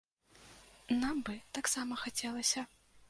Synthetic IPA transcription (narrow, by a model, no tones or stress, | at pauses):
nambɨt̪aksamɐxat͡sʲɛlˠɐsʲɐ